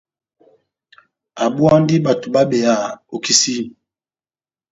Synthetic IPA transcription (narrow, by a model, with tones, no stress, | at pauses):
a˨bu˦a˦ndi˦ba˨to˨ba˦ɓe˨ja˦˨o˨ki˦si˦˨